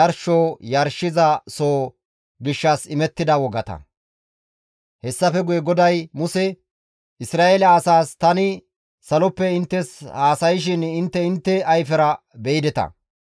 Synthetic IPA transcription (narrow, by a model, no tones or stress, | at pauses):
ɐɾʃoːjɐɾʃːɪzɐsoː | ɡɪʃːɐsɪmɛt̪ːɪd̪ɐwɔɡɐt̪ɐ̰ | hɛsːɐfɛɡʊjɛɡɔd̪ɐjmʊsɛ | ɪsɾaːeːlɐːsaːst̪ɐnɪ | sɐlɔpːɛɪnt̪ːɛshaːsɐjɪʃ̬ɪnɪnt̪ːɛɪnt̪ːɛɐjfɛɾɐ | bɛjɪd̪ɛt̪ɐ̰